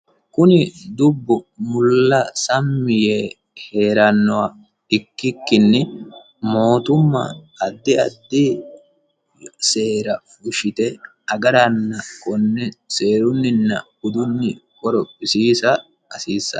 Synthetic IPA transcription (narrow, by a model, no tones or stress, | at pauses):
kʊnɪd̪ʊbːʊmʊlːɐsɐmːɪjeː | he̞ːɾɐnːɔwa | ɪkːɪkːɪnːɪ | mo̞ːt̪ʊmːɐ̰ | ɐd̪ːɪɐ̰d̪ːɪ | se̞ːɾɐ | ʊʃɪt̪ɛ | ɐɡɐɾɐnːɐkɔnːɛse̞ːɾʊnːɪnːɐɡʊd̪ʊnːɪkʼɔɾɔpʼːɪsiːsɐ | ɐsiːsːɐ̰